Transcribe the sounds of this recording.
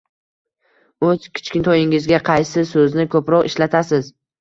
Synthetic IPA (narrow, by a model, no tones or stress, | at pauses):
ɵz̥kʲʰɪ̥t͡ʃkʲɪnt̪ʰɒjɪŋɪzɡʲaqʰɑjsɪsɵznɪkʰɵpɾɒqɪʃlat̪ʰasɪz